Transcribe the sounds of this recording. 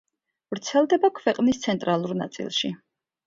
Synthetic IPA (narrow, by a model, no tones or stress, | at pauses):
vɾt̪sʰɛlˠd̪ɛbakʰvɛqʼnist̪sʰɛnt̪ʼɾalˠuɾna̰t̪sʼḭlˠʃi